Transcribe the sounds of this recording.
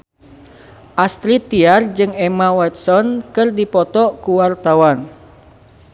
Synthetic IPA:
ʔast̪ɾit̪ːiard͡ʒɨŋɛmawɛt̪̚sɔnkɨrdipɔt̪ɔkuwart̪awan

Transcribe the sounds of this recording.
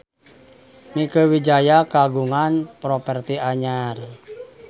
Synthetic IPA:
mikəwid͡ʒajakaɡuŋanpɾɔpɛrt̪iaɲar

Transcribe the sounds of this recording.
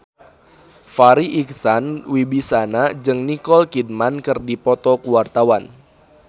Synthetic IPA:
faɾiʔik̚sanwibisanad͡ʒɨŋnikɔlkid̚mankɨrdipɔt̪ɔkuwart̪awan

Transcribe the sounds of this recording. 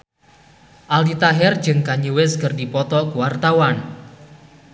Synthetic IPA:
ʔaldit̪aɦɛr̥d͡ʒɨŋkaɲiwɪskərdipɔt̪ɔkuwart̪awan

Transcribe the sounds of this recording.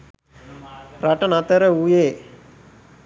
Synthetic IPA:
pɾɐʈɐnɐt̪ɐɾəujeː

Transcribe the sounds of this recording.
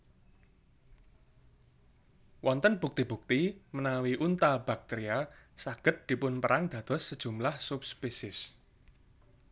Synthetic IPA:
wɔnt̪ənb̥uk̚t̪ib̥ṳk̚t̪imənawiʔunt̪ab̥a̤k̚t̪eɾiasaɡ̥ə̤t̪̚d̪̥i̤pʊnpəɾʔaŋd̪̥ä̤d̪̥ɔ̤sːəd̥ʒ̥ṳmlahsupspesɪs

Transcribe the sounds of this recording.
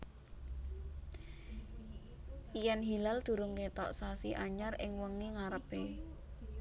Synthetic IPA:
ijanɦilald̪̥ṳɾʊŋket̪ɔ̰ʔsasiʔaɲarɪŋwəŋiŋaɾəpe

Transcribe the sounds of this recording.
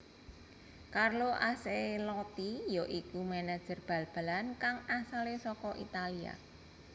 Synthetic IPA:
karloʔaselɔt̪ijoʔikumanḁd͡ʒ̥ə̤rb̥ä̤lb̥a̤lankaŋasalesɔkɔʔḭt̪alia̰

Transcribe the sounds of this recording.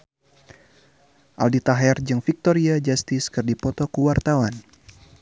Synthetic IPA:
ʔa̰ldit̪aɦɛrd͡ʒɨŋfik̚t̪ɔɾiad͡ʒast̪ɪskɨrdipɔt̪ɔkəwart̪awan

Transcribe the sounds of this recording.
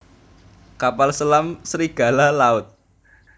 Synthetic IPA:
kapalsəlamsəɾiɡ̥a̤lalaʊt̪̚

